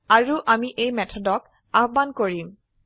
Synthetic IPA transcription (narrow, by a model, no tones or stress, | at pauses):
aɹuʔamiʔejmɛtʰɔdɔk | aɦbankoɹim